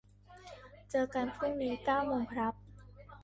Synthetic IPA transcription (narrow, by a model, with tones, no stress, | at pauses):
t͡ɕɤː˧ka˧npʰɯ˥˩nniː˦˥kaː˥˩wmoː˧ŋkʰɾa˦˥p̚